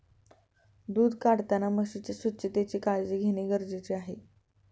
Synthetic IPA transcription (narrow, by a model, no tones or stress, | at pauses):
d̪uːd̪kaɽt̪anaməɡɕit͡ɕesətːɕʰət̪et͡ɕikaɭd͡ʑiɡʱeɽ̃eɡəɾd͡zit͡ɕeaɦe